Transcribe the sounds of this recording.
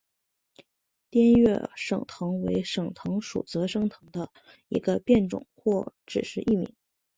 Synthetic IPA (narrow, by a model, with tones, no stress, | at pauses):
t̪jɛ˥nɥɛ˥˩ʂɤ̰˨˩ŋt̪ʰɤ˧˥ŋwe˧˥ɪʂɤ˨˩ŋt̪ʰɤ˧˥ŋʂṵ˨˩t͡sɤ˧˥ʂɤ˥ŋt̪ʰɤ˧˥ŋd̪ə˧ | ḭ˧˥ɡə˧pjɛ˥˩nʈ͡ʂʊ̰˨˩ŋxwɔ˥˩ʈ͡ʂɻ̩˨˩ʂɻ̩˥˧ʔi˥˩mḭ˧˥ŋ